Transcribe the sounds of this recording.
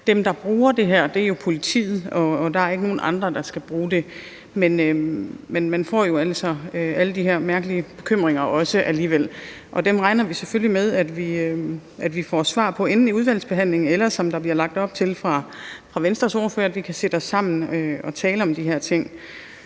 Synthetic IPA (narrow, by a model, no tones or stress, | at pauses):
d̥emd̥ɑ̈b̥ʁuːɐd̥e̝ɦæɐ̰d̥e̝ɐjo̝pʰo̝lit͡sʰḭːð̩ˠɒ̽ːd̥ɑ̈æɐe̝ɡəno̝ːn̩ʔɑ̈nd̥ʁɐd̥ɑ̈sɡ̥æb̥ʁuːd̥e̝ | menømenmænfɒ̰ːjo̝æl̰sɒ̽øæləd̥iɦæɐ̰mæɐɡ̥əliəb̥e̝̥kʰøm̰ʁeŋ̰ɐʔɒ̽səʔæliːʋel̰ | ʔɒ̽d̥emʁɑ̈ɪnɐʋiseføllimeðˠæd̥ʋiøʔæd̥ʋifɒ̰sʋɑ̰̈ːpʰɒ̽e̝nn̩iuðˠʋæl̰sb̥e̝ɦæn̰le̝ŋn̩elɐsɒ̽md̥ɑ̈b̥liɐlɑ̈ɡ̥̚d̥ɒ̽b̥̚t͡sʰe̝lfʁɑ̈fʁɑ̈ʋensd̥ʁɐsoːɐføɐæd̥ʋikʰæse̝̰d̥ɒsːɑ̈m̰n̩øɒ̽t͡sʰɛːləɒ̽md̥iɦæɐ̰t͡sʰe̝ŋ̰